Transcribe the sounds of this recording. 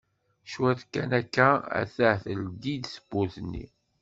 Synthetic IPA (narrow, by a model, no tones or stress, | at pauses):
ʃwæθkːænækːææ̰θəʕθəld̪id̪sə̥b̥ːuθənːḭ